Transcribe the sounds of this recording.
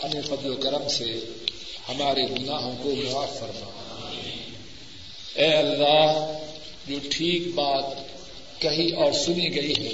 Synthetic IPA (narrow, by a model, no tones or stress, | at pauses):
ɐnefɐd̪lokɐɾəmse | hɐmaːɾeɡʊnaːɦõkolʊaːfɐɾma̰ː | ɛːɐlːaːɦ | d͡ʒoːʈʰiːk̚baːt̪̚ | kɐɦiɔːɾsʊniɡɐiɦɛ̃ː